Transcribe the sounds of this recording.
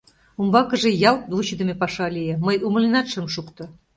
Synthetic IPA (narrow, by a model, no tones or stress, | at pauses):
umbɑkə̆ʒĕjɑlt̪̚vut͡ɕəd̪əmepɑʃɑlijeməjʔumə̆linɑt̪ʃə̆mʃukt̪ŏ